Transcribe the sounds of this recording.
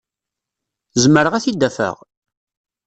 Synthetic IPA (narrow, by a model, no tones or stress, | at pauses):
zməɾəʁæθid̪ːæfə̰ʁ